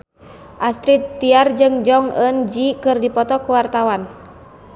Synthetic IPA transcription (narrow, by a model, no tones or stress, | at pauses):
ʔast̪ɾit̪ːiard͡ʒɨŋd͡ʒɔŋənd͡ʒikɨrdipɔt̪ɔkuwart̪awan